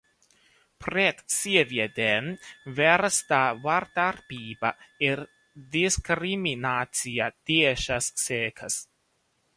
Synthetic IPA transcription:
pɾet̪sivjed̪envɛɾst̪avaɾt̪aɾpiːbaeɾ | d̪iskɾiminat͡siad̪̥ieʃasːeːkʰas

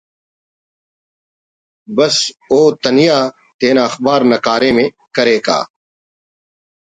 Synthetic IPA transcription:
bəsoːt̪ənijaː | t̪eːnaːɐxbaːɾnəkaːɾẽːmẽː | kəɾeːka̰ː

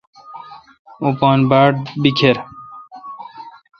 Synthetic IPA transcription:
upoːnbaːʈ̚bikʰeɾ

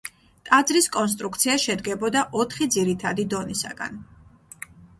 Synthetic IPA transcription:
t̪ʼad̪zɾiskʼɔns̬t̪ʼɾuk̚ʰt̪sʰiaʃɛd̪ɡɛbɔd̪aʔɔt̪ʰχid̪ziɾit̪ʰad̪id̪ɔnisa̰ɡa̰n

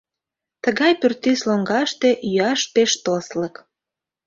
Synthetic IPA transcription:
t̪əɣɑjpyrt̪isloŋɡɑʃt̪eʔjyɑʃt̪eʃt̪oslək

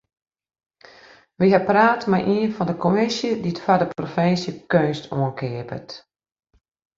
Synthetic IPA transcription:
ʋiɦapraːtmajʔiənfɔndəkʰomisjəditfadəprofɪnsjəkøːstoənkʰɪəpə̰t

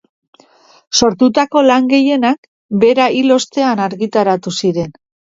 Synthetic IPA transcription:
so̞ɾt̪ut̪ako̞laŋɡe̞je̞nak | be̞ɾailo̞st̪e̞anaɾɣit̪aɾat̪usiɾe̞n

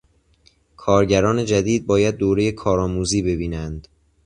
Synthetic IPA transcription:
kʰɒːɾɟæɾɒːne̞d͡ʒæd̪iːd̪̚bɒːjæd̪̚ːoːɾe̞je̞kʰɒːɾɒːmuːziːbe̞biːnænd̪̥

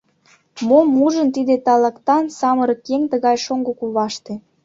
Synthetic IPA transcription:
momuʒənt̪id̪et̪ɑlɑkt̪ɑnsɑməɾɤ̆kːeŋt̪əɣɑjʃoŋɡokuβɑʃt̪e

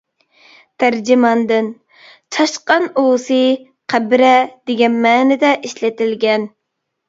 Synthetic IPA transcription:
t̪ʰæɾd͡ʒimɑnd̪ɨn | t͡ʃʰɑʃqɑnosɨ | qʰæbɾɛd̪̥ɪɡʲɛnmɛːnɪd̪ɛʔiʃlɪt̪ɪlɡʲɛn

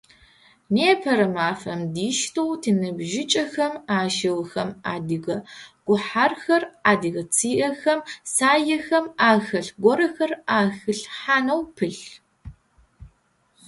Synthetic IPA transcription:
neːpʰɐɾɐmaːfɐmdiːʃtʰowtʰɨnɨbʒɪt͡ʃʼɐxɐmaːʃɪwxɐma̰ːdɨɣɐɡ̥ʷʊħarxɐraːdɨɣɐt͡sʰiːʔɐxɐmsaːjɐxɐmaːxɐɬɡʷɔɾɐxɐraːxɨɬħaːnɐwpʰɨɬ

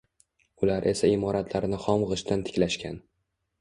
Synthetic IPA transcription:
ʊlaɾʔe̞saɪmɒɾat̪ʰlaɾnɪχɒmʁɨʃt̪ant̪ʰɪ̥kʲlaʃkʲan

